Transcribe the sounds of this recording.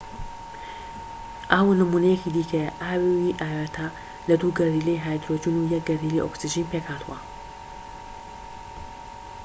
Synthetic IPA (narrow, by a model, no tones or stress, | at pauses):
ʔaːwunɨmuːnɐjɛkid̪iːkʰɐjɐʔaːwiwiʔaːwat̪ʰa | lɐd̪uɡɐriːlejɦaːjd̪ɾod͡ʒinujɐk̚ɡɐrilḛjʔoksiʒinpʰeːkhaːt̪ʰuwɐ